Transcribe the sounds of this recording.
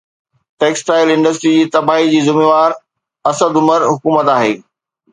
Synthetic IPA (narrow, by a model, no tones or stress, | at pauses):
ʈeːksʈaːɪlɪ̃ɳɖəsʈɾid͡ʑiːt̪ɐbaːɦid͡ʑiːzɪmeːʋaːɾ | ɐsəd̪ʊməɾɦʊkuːmət̪aːɦḛː